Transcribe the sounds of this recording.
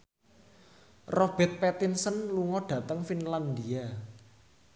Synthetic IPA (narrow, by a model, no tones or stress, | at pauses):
rɔb̥ɛ̤t̪̚pɛt̪insənluŋɔɖ̥ä̤t̪əŋfinland̪ia